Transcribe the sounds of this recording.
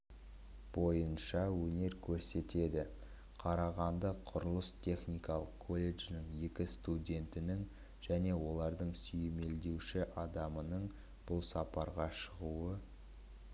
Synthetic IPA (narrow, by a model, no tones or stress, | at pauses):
b̥o̞jənʃɑwɵne̞ɾkʲʰɵɾse̞t̪e̞d̪ɪ | qʰɑɾɑʁɑnd̪əqʰʊɾəlˠəst̪ʲʰe̞χnijkɑlˠəqkʰːo̞lʲːe̞ʒnɪŋje̞kʲɪst̪udʲe̞nt̪ɪnɪŋ | ʒ̥æne̞wo̞lˠɑɾd̪əɴsʏjɪme̞ld̪e̞wʃɪʔɑd̪ɑmənəɴ | b̥ʊlˠsɑpɑɾʁɑʃəʁuə